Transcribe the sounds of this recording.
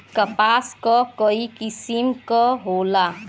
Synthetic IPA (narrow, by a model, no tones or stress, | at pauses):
kɐpaːskokoikɪsimkɔɦoːlaː